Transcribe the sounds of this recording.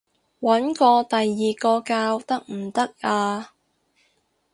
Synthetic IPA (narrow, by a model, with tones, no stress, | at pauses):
wɐ˨˥nkɔː˧t̪ɐ˨jːiː˨kɔː˧kaː˧wt̪ɐ˥k̚m̩˨˩t̪ɐ˥k̚aː˧